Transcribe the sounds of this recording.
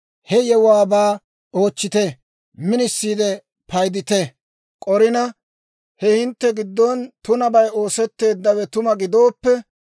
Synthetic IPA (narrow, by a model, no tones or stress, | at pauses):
hɛjɛwaːbaː | oːt͡ʃːɪt̪ɛ | mɪnɪsːiːd̪ɛ | pɐjd̪ɪt̪ɛ | kʼɔɾɪnɐ | hɛhɪnt̪ːɛɡɪd̪ːont̪ʊnɐbɐjo̞ːsɛt̪ːe̞ːd̪ːɐwɛt̪ʊmɐɡɪd̪o̞ːpːɛ